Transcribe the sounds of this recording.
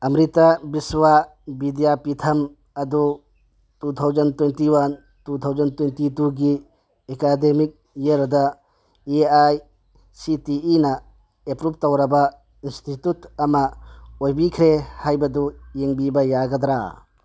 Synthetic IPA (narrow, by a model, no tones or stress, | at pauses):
ɐmɾitabiswa | bidijapitʰɐm | ɐd̪u | tut̪ʰawzɐntwentiwan | tut̪ʰawzɐntwentituɡi | ekademik̚ | jeɾd̪ɐ | eaj | sitiːnɐ | epɾup̚tɐwɾɐbɐ | institutɐmɐojbikʰɾehajbɐd̪ujeŋbibɐjaɡɐd̪ɾa̰